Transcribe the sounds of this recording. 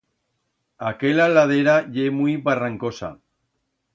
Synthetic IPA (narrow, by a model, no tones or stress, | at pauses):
akelalað̞eɾaʎemujβaraŋkosa̰